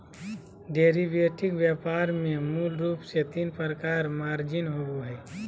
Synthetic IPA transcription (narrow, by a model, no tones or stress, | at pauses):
ɖeːɾibeːʈʰɪkʋjəːpaːɾmẽmuːlɾuːpset̪iːnpəɾəkaːɾmaːɾd͡ʒɪnɦobuɦɛː